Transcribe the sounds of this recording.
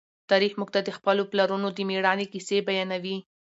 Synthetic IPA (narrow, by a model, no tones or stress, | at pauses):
t̪ɑɾixmuɡ̚t̪ad̪əxpəloplaɾunod̪əmeɽɑnekisebajɑnawi